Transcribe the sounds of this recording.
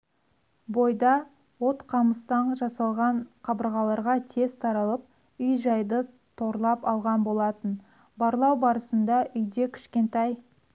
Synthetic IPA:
bo̞jd̪ɑ | wo̞t̪qʰɑməst̪ɑnʒɑsɑlˠʁɑɴqʰɑbəɾʁɑlˠɑɾʁɑt̪ʰe̞zt̪ʰɑɾɑlˠəp̚ | ʏjʒɑjd̪ə | t̪ʰo̞ɾlˠɑpɑlˠʁɑnbo̞lˠɑt̪ən | bɑɾlˠɑwbɑɾəsənd̪ɑʔʏjd̪e̞kʲʰɪ̥ʃkʲe̞nt̪ɑj

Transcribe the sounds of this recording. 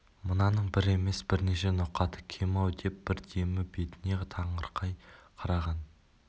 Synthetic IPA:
mənɑnəɴbɪɾe̞me̞sbɪɾne̞ʃe̞noqːɑt̪ʰə̥kʲʰemɑwd̪e̞p̚b̥ɪɾd̪e̞mɪbe̞t̪ɪne̞t̪ʰɑɴəɾqʰɑjqʰɑɾɑʁɑn

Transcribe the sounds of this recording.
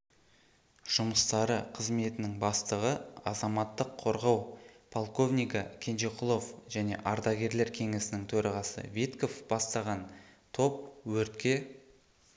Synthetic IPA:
ʒ̥ʊməst̪ɑɾəqʰəzme̞t̪ɪnɪŋbɑst̪əʁəɑ̰zɑmɑt̪ːəqʰːo̞ɾʁɑwpʰolˠko̞vnijkɑkʲʰe̞nʒeqʰʊlˠofʒ̥æne̞̰ʔɑɾd̪ɑɡʲe̞ɾle̞ɾkʲʰe̞ŋesɪnɪŋt̪ʰɵɾɑʁɑsə̰vet̪ko̞fb̥ɑst̪ɑʁɑnt̪ʰo̞p̚wɵɾt̪kʲe̞

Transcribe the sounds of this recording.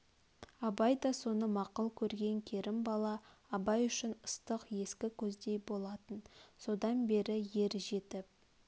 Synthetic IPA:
ɑbɑjd̪ɑso̞nəmɑqəlˠkʲʰɵɾɡʲe̞ŋkʲʰe̞ɾɪmbɑlˠɑ | ɑbɑjʏʃɪnəst̪əqje̞skʲɪkʲʰɵzd̪e̞jbo̞lˠɑt̪ənso̞d̪ɑnbe̞ɾɪje̞ɾʒe̞t̪ɪp̚

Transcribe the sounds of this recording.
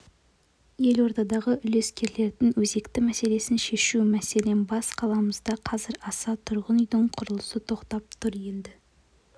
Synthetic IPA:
je̞lwo̞ɾt̪ɑd̪ɑʁəʔʏle̞skʲe̞ɾle̞ɾd̪ɪŋwɵze̞kt̪ɪmæse̞le̞sɪnʃe̞ʃumæse̞le̞nbɑsqʰɑlˠɑməzd̪ɑqʰɑzɪɾɑsɑt̪ʰʊɾʁənʏjd̪ɪɴqʰʊɾəlˠəsət̪ʰo̞qt̪ɑp̚t̪ʰʊɾje̞nd̪ɪ

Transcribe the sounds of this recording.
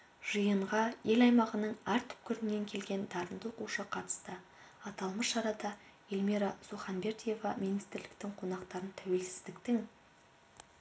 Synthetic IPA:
ʒ̥ijəɴʁɑje̞lɑjmɑʁənəɴæɾt̪ʰʏ̥p̚kʲʰʏɾɪnːe̞ŋkʲʰe̞lɡʲe̞nd̪ɑɾənd̪əoquʃəqʰɑt̪ə̥st̪ə | ɑt̪ɑlˠməsʃɑɾɑd̪ɑ | elʲmiɾɑsuχɑnbe̞ɾt̪ije̞vɑminist̪ɪɾlɪkt̪ɪŋqʰo̞nɑqt̪ɑɾənt̪ʰæwe̞lsɪzd̪ɪkt̪ɪŋ

